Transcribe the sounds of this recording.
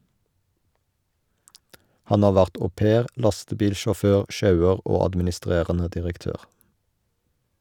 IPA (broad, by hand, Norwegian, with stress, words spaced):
ˈhɑn ˈɑː ˈʋæʁt oːˈpeːʁ ˈlɑstəˌbiːlʃɔˌføːʁ ˈʃɑʉəʁ ˈoː ɑdmɪnɪˈstʁeːʁənə dɪʁəkˈtøːʁ